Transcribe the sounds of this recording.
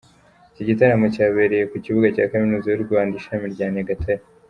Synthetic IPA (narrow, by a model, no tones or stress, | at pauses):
iciɟitaɾamocaːβe̞ɾejekuciβuɡacaːkaminuzajuɾɡaːndiʃamiɾɟaːneɡatʰaj